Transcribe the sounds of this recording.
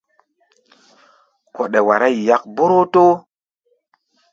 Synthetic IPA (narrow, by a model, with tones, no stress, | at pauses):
ko˨ɗe˨wa˨ɾa˦i˨ja˦k̚bo˦ɾo˦to˦